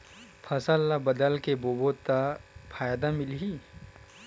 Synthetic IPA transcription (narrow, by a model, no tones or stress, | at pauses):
pʰɐsəlːabɐd̪əlkeboːbot̪apʰaːjd̪amɪlɦi